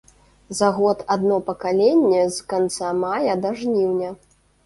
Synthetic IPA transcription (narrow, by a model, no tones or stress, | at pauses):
zaɣɔt̪ad̪nɔpɐkalʲenʲːɛzkant̪samajɐd̪ɐʐnʲiwnʲɐ